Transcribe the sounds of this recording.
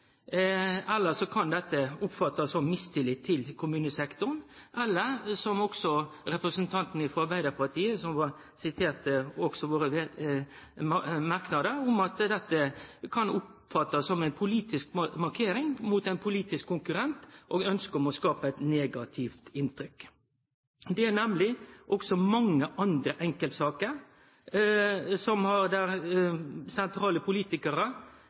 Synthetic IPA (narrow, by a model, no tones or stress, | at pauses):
ɛlːəsɔkʰɑnd̪ɛt̪ːəʊpfɑt̪ːɑsɔmmɪst̪ʰɪlːɪt̪ʰːɪlkʰʊmʉːnəsɛkt̪ʊɾnʔɛlːəɾsɔmɔksɔɾɛpɾəsənt̪ʰɑnt̪n̩ɪfɔɑɾbæɪd̪əpʰɑʁt̪ʰiːəsɔmʋɑ | sɪt̪ʰeːʁt̪əɔɡ̥sɔʋoːɾəʋe | ɑmɑɾknɑd̪əɾʊmɑt̪d̪ɛt̪ːəkʰɑnʊp | fɑt̪ːəsːɔmɛɪnpʰʊliːt̪ɪskmɑʁkʰeːɾɪŋmuːt̪æɪnpʰʊliːt̪ɪskʰːʊŋkʉɾɛnt̪ʔoːɡœnskəɾɔmɔskɑːpəɛɪt̪neːɡɑt̪ʰɪft̪ɪnt̪ɾʏk | d̪ɛænɛmlɪʔɔɡsɔmɑŋːəʔɑnd̪ɾəʔɛŋkəlt̪sɑːkəɾ | sɔmhɑɾd̪æɾ | sɛnt̪ʰɾɑːləpʰʊliːt̪ɪkəɾə